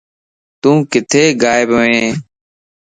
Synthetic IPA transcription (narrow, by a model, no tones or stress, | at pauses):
t̪ũːkɪt̪ʰeːɡaːjɪbɦoẽː